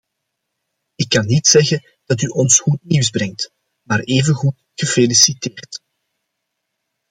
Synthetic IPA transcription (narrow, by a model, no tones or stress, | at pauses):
ɪkːɑnːitsɛɣən | d̥ɑtyʔɔnsxut̚niwzbɾɛŋt | maːɾeːvənɣut | ɣəfelisiteːrt